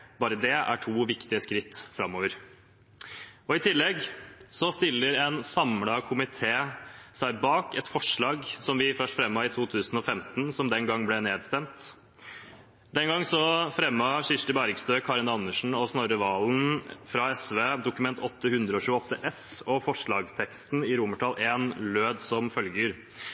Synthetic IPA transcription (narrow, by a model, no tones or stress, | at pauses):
bɑːɾəd̪ɛæ̰ʈʰuːʋɪkt̪ɪəskɾɪt̪ːfɾɑmːoːʋəɾ | ɔɪt̪ʰɪlːɛɡsɔst̪ɪlːəɾɛnsɑmlɑkʰʊmɪt̪ʰeːsæɪbɑːkɛt̪fɔʂɭɑːɡsɔmʋɪfœʂʈfɾɛmːɑɪt̪ʰuːt̪ʰʉːsn̩ɔfɛmt̪nsɔmd̪ɛŋɡɑŋːblɛneːd̪st̪ɛmt̪ | d̪ɛnɡɑŋːsɔfɾɛmːɑʂɪʂʈəbæɾɪɡst̪øːkʰɑːɾɪnɑnːəʂɳ̩ɔsnoɾəʋɑːlnfɾɑɛsʋeːd̪ʊkʉmɛnt̪ɔt̪ːəhʉnd̪ɾəɔçʉːəɔt̪ːəʔɛsɔfɔʂɭɑːɡst̪ʰɛkst̪nɪɾʊməʈʰɑlʔeːnløːd̪sɔmfœlɡəɾ